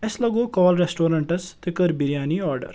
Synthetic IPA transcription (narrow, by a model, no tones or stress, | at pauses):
ɐslɐɡoːkɔːlɾesʈoːɾɐɳʈɐst̪ekəɾbiɾijaːniːɔːɾɖə̰ɾ